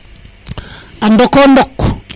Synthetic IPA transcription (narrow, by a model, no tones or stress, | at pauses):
andɔkondɔkː